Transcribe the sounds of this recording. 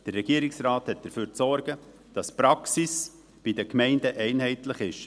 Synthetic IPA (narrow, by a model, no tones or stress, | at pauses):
d̥ərːɛɡ̥iəɾɪksrɑːthɛt̚d̥əɾføːɾt͡sɔɾɡ̥ə | d̥ɑspɾɑksis | b̥idəkmɛɪndəʔɛɪnɦɛɪtlɪχɪʃ